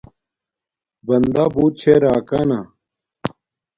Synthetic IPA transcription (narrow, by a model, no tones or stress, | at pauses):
bɐnd̪abuːt͡ɕʰeɾaːkana